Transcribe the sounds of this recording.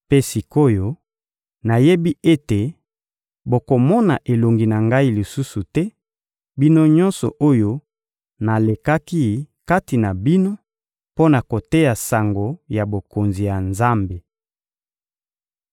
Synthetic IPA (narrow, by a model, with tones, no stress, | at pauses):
pe˦si˨ko˦jo˦ | na˨je˦bi˦ʔe˦te˨ | bo˨ko˨mɔ˦na˨ʔe˨lo˨ŋɡi˨na˨ŋɡa˦i˦li˨su˦su˨tɛ˦ | bi˦no˦ɲɔ̃˦nsɔ˨ʔo˦jo˦ | na˨le˨ka˦ki˦ka˦ti˨na˨bi˦no˦ | po˦na˨ko˨te˦ja˨sa˨ŋɡo˨ja˨bo˨ko˨nzi˨ja˨nza˦mbe˨